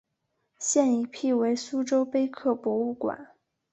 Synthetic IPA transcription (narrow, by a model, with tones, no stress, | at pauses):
ɕjɛ˥˩ni˧˥pʰi˥˩we˧˥ɪsu˥ʈ͡ʂo˥ʊpe˥ɪkʰɤ˥˩pwɔ˧˥u˥˩kwa̰˨˩˦n